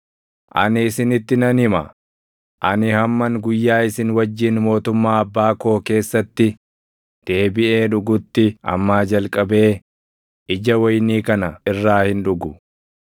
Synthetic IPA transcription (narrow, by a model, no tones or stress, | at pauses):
ʔɐ̰nɪːsɪnɪt̪ːɪnɐnhɪmɐ̰ | ʔɐnɪhɐmːɐŋɡʊjːaːɪsɪnwɐd͡ʒːɪnmo̞ːt̪ʊmːaːɐbːaːko̞ːke̞ːsːɐt̪ːɪ | d̪̥e̞ːbɪʔe̞ːᶑʊɡʊt̪ːɪʔɐ̰mːaːd͡ʒɐlkʼɐbe̞ː | ʔɪd͡ʒɐwɐjniːkɐnɐɪrːaːhɪnᶑʊɡʊ